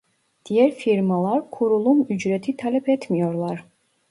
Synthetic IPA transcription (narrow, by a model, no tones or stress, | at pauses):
d̪̥ijɛɾfiɾmalˠaɾkʰuɾulˠumyd͡ʒɾɛt̪ʰit̪ʰalɛpʰɛt̪ʰmijɔɾlˠaɾ